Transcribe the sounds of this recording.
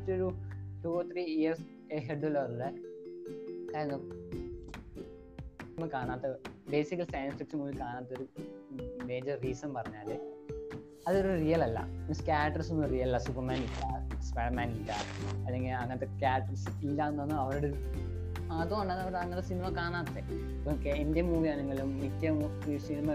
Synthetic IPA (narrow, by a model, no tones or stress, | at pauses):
t͡ɕːoɾuʈuoːt̪ʰriːijɐrs | eɦeɖolɐɐɾɐɽe | kaːjɾɐnːɐ | smɐkaːɳaːt̪ːɨbe̞ːsikːɐlsajnsfiʈsɐnŋoːilkaːɳaːt̪ːoɾu | me̞ːd͡ʑɐrːiːsɐmpɐrɐɲːaːlɨ | ɐðo̞ɾurijɐlɐlːɐ̰inɐskʲaːʈːɐrsonːurijɐlɐlːɐsupːɐrmaːnilːaspeɽɐmaːnitːa̰ːɐlːe̞ŋɡilɐŋːɐɐt̪ːekʲaːʈːɐrs | ilːaenːonːɨɐʋɐɾuɽe | aːðoaɳɖanːɐʋɐɾɐŋːɐt̪ːesinimɐkaːɳaːt̪ːe | ipːokeendemuːʋiɐːnɐŋːɐɭumitːɐ | sinimɐ